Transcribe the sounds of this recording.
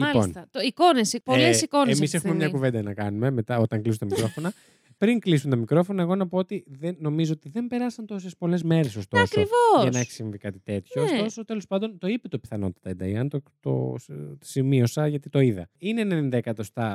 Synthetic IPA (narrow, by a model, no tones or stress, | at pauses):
miɐlpont̪ɐt̪oikonespolesikonemisexuumemɲɐkuvend̪ɐnɐkɐnume̞me̞t̪ɐo̞t̪ɐŋklisunt̪ɐmikɾo̞fo̞nɐ | pɾiŋklisunt̪ɐmikɾo̞fo̞nɐeɣo̞nɐpoot̪iðenːo̞mizoot̪iðe̞mbe̞ɾɐsɐnt̪o̞sespo̞le̞zme̞ɾesost̪oɐskɾoivoɐnɐeçi̥siɱvikɐt̪it̪e̞t̪çoːstt̪o̞sot̪e̞lo̞spɐnd̪o̞nt̪o̞ipet̪opi̥θɐno̞̰t̪i̥t̪ɐend̪ɐiɐnt̪ot̪o̰simio̞sɐʝɐt̪it̪o̞iðɐ̰inenenend̪ekɐt̪ost̪ɐ